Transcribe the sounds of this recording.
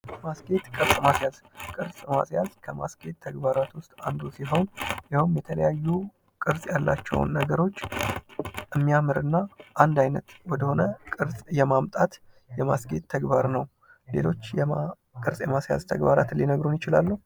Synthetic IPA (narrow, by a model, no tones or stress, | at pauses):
masɡe̞t̪kʼɨɾsʼmasjaz | kʼɨɾsʼma̰sjazkʰəma̰sɡ̥e̞t̪ʰːəɡbaɾat̪wʊst̪ʼand̪usiɦo̞wnjɪhumjɛt̪ʰələjajːu | kʼɨɾsʼjalːa̰t͡ʃːɛ̰wʊ̰nːəɡəɾo̞t͡ʃː | ʔɨmːijamɨɾɨnːaʔand̪ajnət̪wɔd̪əho̞nəkʼɨɾsʼjɛmamt̪ʼat̪ | jɛmasɡe̞t̪ʰːəɡbaɾnəw | le̞̰lo̞t͡ʃːj | kʼɨɾsʼjɛmasja̰zt̪ʰəɡbaɾat̪ɨlːinəɡɾunjɪt͡ʃɪlalːəhu